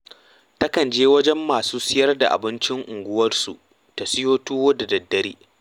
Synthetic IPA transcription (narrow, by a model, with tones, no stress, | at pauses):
tɐ˦kɐ˨nd͡ʒeː˦wɐ˦d͡ʒɛ˦mːaː˨suː˦sɪ˦jɐ˦rda˨ʔa̰˨bɪ˦nt͡ʃɪ˦ŋʔʊ˨ŋɡʷʊ˦wɐ˦rsu˨ʔ | ta˨sɪ˦joː˦tuː˦woː˦da˨dɐ˨dːɐ˦ɾḭː˦